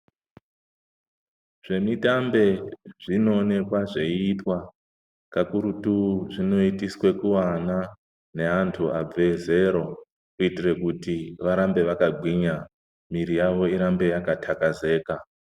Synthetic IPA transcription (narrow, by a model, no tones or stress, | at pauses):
ʐ̥e̞mitambe̞ʐ̥ino̞ːne̞kwaʐe̞iitwa | kakuɾutuʐino̞itiswe̞kuwana | ne̞antʰuab͡ve̞ze̞ɾo̞ | kuitire̞kutiʋaɾambe̞ʋakaɡʱwiɲa | miɾijaʋo̞iɾambe̞jakatʰakaze̞ːka